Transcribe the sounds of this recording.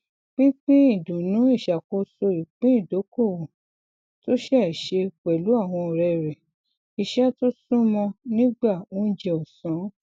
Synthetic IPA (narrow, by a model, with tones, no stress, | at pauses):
k͡pĩ˦k͡pĩ˦i˦˨dũ˨nũ˨˦i˦˨ʃa˨ko˧so˧ɾi˨k͡pĩ˦i˦˨do˨˦ko˦˨wõ˨ | to˦ʃɛ˦˨ʃe˧k͡pɛ˨lu˨˦a˦˨w̃ɔ̃˧˨ɾɛ˧˨ɾɛ˨ | i˧ʃɛ˦to˦sũ˦mɔ̃˧nĩ˦ɡ͡ba˦˨ũ˦d͡ʒɛ˧ɔ˨sã˨˦